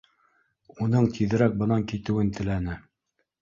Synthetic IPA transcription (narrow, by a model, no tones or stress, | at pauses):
unɤɴt̪ʰiðɘ̆ɾæk̚bɤ̆nɑŋkit̪ɘ̆wɘnt̪ɘ̆lænɘ